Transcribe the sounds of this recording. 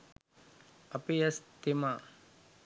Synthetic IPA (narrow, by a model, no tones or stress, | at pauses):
ɐpijɐst̪ima